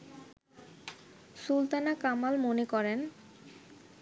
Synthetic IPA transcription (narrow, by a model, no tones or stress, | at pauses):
sult̪anakamalmonekɔɾen